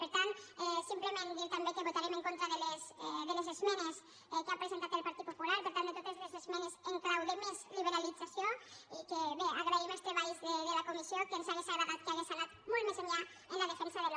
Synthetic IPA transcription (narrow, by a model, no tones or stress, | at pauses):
peɾt̪ant̪ɛsimplemẽnd̪iɾt̪ambekeβot̪aɾemeŋkont̪ɾaðelesðelezezmɛnes | keapɾezent̪at̪elpaɾt̪it̪populaɾpeɾt̪and̪et̪ot̪ezlezezmɛnezeŋkɾawðemezliβeɾalid͡zasjoikeβeaɣɾaimelˠst̪ɾeβaʎzðeðelakumisjokensaɣesaβaɣat̪keaɣesalat̪molt̪mezeɲʎa | enlaðefɛnsaðel